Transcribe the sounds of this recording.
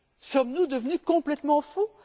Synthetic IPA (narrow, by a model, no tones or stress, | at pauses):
sɔmnud̪əvnykɔ̃plɛt̪mɑ̃fu